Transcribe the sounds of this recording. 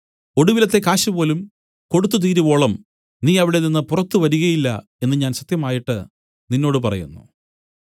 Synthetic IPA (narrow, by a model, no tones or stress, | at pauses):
o̞ɽuʋilɐt̪ːe̞kaːɕɐpo̞ːlum | ko̞ɽut̪ːut̪̬iːɾuʋo̞ːɭɐm | niːɐʋiɽe̞ninːɨpurɐt̪ːuʋɐɾuɣɐjilːɐ̰ | e̞nːɨɲaːnɕɐt̪jɐmaːjiʈːɨ | ninːo̞ːɽɨpɐrɐ̰jṵnːṵ